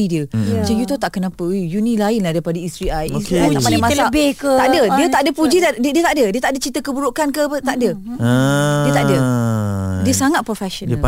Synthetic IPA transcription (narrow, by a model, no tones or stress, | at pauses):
idiəmat͡ʃajut̪ot̪aʔkənãpəujunĩlaɪnlahdajpadəist̪ɾiajist̪ɾiaamanamãsəabɪhk̪aʔdədiət̪aʔdəpud͡ʒit̪addiət̪aʔdədiət̪aʔdət͡ʃit̪əkəbuɾuʔkankəət̪aʔdə | diət̪aʔdə | diəsaŋat̪̚pɾofɛʃon